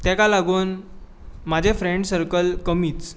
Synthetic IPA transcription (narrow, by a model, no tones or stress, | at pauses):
t̪jakalaɡuːn | mad͡ʑʱefɾeɳɖsəɾkəlkəmiːt͡s